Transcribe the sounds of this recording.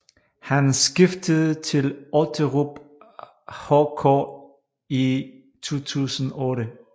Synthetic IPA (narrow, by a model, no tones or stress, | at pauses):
hænsɡ̥ifd̥əðˠət͡sʰe̝lɔt͡sʰəʁub̥ | hɔkʰɔ̰ | i | t͡sʰo̝̰ːt͡sʰṵːsn̩ɔ̽ːɾə